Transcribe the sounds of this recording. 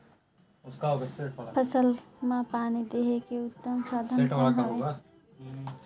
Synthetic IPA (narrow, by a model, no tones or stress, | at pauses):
ʊskaosepʰəsəlmãpaːnid̪eɦekeʊt̪ːəmsad̪ʱə̃eʈɦeɡa